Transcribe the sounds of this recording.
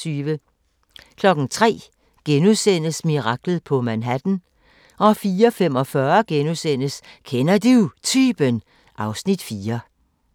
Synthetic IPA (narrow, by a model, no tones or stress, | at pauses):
yːʋə | kʰlɒ̽ɡ̥ŋ̩t͡sʰʁɛ̰ː | ɡ̥enuðˠsen̰əsmiʁɑ̈ɡ̥l̩ˠpʰɒ̽mænɦæd̥n̩ | ʔɒ̽fiːɐfem̰ɒ̽fɶɐɡ̥enusen̰əskʰenɐd̥ut͡sʰyːb̥ən | ʔɑ̈ʊsnid̥fiːɐ